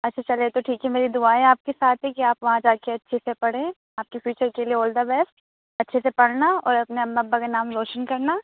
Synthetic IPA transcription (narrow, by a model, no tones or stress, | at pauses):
ɐtːʃʰat͡ʃɐlet̪oʈʰiːkɦɛmeːɾid̪ʊaːẽaːp̚kesaːt̪ʰɦɛkiaːpʋɐɦãd͡ʒaːkeɐtːʃʰesepɐɽ̤ẽː | aːp̚kefʰjuːt͡ʃəɾkelieoːld̪abɛːs | ɐtːʃʰesepɐɽ̤naɔ̰ːɾɐpneɐɐbːakenaːmɾoːʃənkɐɾna